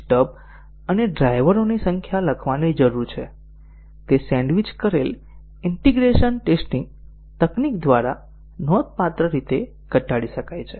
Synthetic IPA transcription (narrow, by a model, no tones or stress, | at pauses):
ʈəb̚ | əneɖɾajʋəɾonisə̃ŋkʰjaləkʰʋanid͡ʒəɾuɾt͡ʃʰe | t̪esɛ̃ɳɖʋit͡ʃkəɾel | ɪɳʈiɡɾeʃənʈesʈĩŋɡ | t̪əknikd̪ʋaɾa | nɔd̪̚pat̪ɾəɾit̪e | ɡəʈaɽiʃəkajt͡ʃʰe